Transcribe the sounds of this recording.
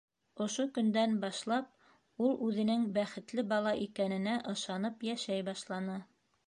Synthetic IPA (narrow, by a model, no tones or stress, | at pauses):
ŏʃokɵ̆nd̪ænbɑʃlˠɑp̚ | ulˠʉðɘ̆nɘŋbæχɘ̆t̪lɘbɑlˠɑʔikænɘ̆næʔɤ̆ʃɑnɤpjæʃæjbɑʃlˠɑnɤ